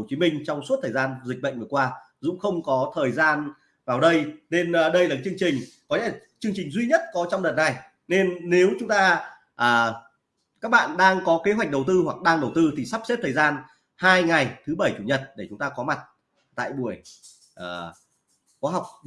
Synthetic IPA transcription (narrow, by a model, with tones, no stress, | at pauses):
t͡ɕi˨˦mï˧ŋ̟t͡ɕɔ˧wŋ͡msu˦˥t̪ʰəː˨˩jzaː˧nzï˨˩k̟̚ɓə̰˧˨ŋ̟vɨː˨˩kwaː˧ | zʊ̰˧˥ŋ͡mxə˧wŋ͡mkɔ˨˦t̪ʰəː˨˩jzaː˧n | vaː˨˩wɗə˧jne˧nː˨ɗə˧jlaː˨˩a˨˩t͡ɕɨ˧əŋt͡ɕï˨˩ŋ̟kɔ˨˦ɲɛ̰˧˥˩t͡ɕɨ˧əŋt͡ɕï˨˩ŋ̟zwi˧ɲə˦˥t̚kɔ˨˦t͡ɕɔ˧wŋ͡mɗə˨˩t̚na˨˩j | ne˧nːe˨˦wt͡ɕʊ˨˦ŋ͡mt̪aː˧ | ʔəː˨˩ | kaː˦˥k̚ɓa̰ː˧˨nɗaː˧ŋkɔ˨˦ke˨˦wa˨˩k̟̚ɗə˨˩wt̪ɨ˧ɦwa˨˩k̚ɗaː˧ŋɗə˨˩wt̪ɨ˧t̪ʰi˨˩sa˦˥p̚se˦˥t̚t̪ʰəː˨˩zaː˧n | haː˧jŋa˨˩jt̪ʰɨ˨˦ɓə˧˩jt͡ɕu˧˩ɲə˨˩t̚ɗe˧˩t͡ɕʊ˨˦ŋ͡mt̪aː˧kɔ˨˦ma˨˩t̚ | t̪a̰ː˧˨jɓu˧˩əj | ʔəː˨˩ | xwaː˨˦ɦa˨˩wk͡p̚